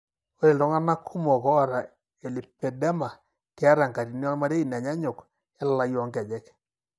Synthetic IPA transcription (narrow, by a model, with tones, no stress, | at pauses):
o˦ɾe˨dɔ˨˦ŋa˦na˦kʰu˦mɔ˨kɔ˦˨ɾa˨ | e˨li˨pɛ˨dɛ˦ma˨ | kɛ˦a˦ɾa˨ŋka˨ɾi˨ni˦ɔ˦ma˦ɾe˦i˨n˨a˨ɲa˦ɲʊ˨k | ɛ˦la˦jɔ˦ŋkɛ˨d͡ʒɛ˦k